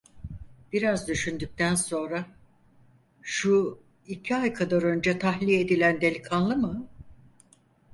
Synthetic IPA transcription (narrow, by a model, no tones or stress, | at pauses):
b̥iɾazd̪yʃynd̪yc̚t̪ʰænso̞nɾa | ʃu | icʰiajkʰad̪aɾø̞nd͡ʒɛt̪ʰaxlʲie̞d̪ilʲænd̪e̞lʲikʰanlˠɯmɯ